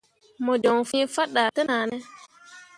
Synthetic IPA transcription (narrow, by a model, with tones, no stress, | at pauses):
mɔ˨d͡ʒɔ˨ŋfĩ˦fa˦ɗːa˨te˦naː˨nɛ˦